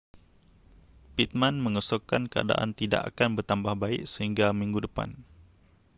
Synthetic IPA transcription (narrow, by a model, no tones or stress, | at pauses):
pit̪̚mãnmə̃ŋəsokankəa̰da̰ʔa̰nt̪ida̰ʔa̰kanbərt̪ambahbaɪʔsəɦiŋɡamĩŋɡudəpa̰n